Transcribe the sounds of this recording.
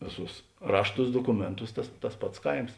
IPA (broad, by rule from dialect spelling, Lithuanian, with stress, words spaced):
ˈʋʲeːˌsuːs ˈrɑːʃˌtuːs doːkʊˈmʲeːnˌtuːs ˈtɐs tɐs ˈpɐts ˈkɐɪms